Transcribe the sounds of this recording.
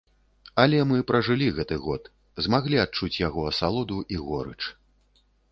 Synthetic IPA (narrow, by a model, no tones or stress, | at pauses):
ɐlʲɛmɨpɾɐʐɨlʲiɣɛt̪ɨɣɔt̪ | zmaɣlʲiat̪̚t͡ʂut͡sʲjaɣɔɐsalˠɔd̪uʔiɣɔɾɨ̰t͡ʂ